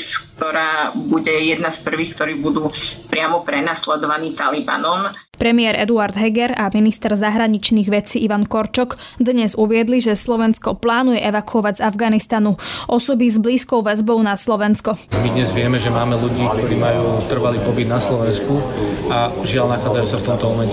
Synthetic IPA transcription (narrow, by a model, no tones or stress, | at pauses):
sk̚t̪ɔɾaːbuɟɛjɛd̪naspr̩ʋiːxkt̪ɔɾiːbud̪uːpɾɪamɔpɾɛnaslɛd̪ɔʋaniːt̪aliba̰nɔm | pɾɛmɪɛɾɛ̰d̪uaɾd̪ɦɛɡɛɾaminist̪ɛɾzaɦɾaɲit͡ʃniːɣʋɛt͡siːʔiʋankɔɾt͡ʃɔɡ | d̪ɲɛzuʋɪɛd̪liʒɛslɔʋɛnskɔplaːnujɛʔɛʋakuɔʋaɟzavɡanist̪anuʔɔsɔbizbliːskɔʊʋɛzbɔʊnaslɔʋɛnskɔmid̪ɲɛzʋɪɛmɛʒɛmaːmɛluɟiːk̚t̪ɔɾiːmajuːt̪r̩ʋaliːpɔbid̪naslɔʋɛnskuaʒɪalnaxaːd͡zajuːsaft̪ɔmt̪ɔmɔmɛɲcɛ